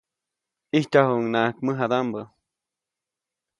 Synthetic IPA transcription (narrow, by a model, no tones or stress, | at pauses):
iht͡ʃahuʔŋnaʔkməɦad̪ambə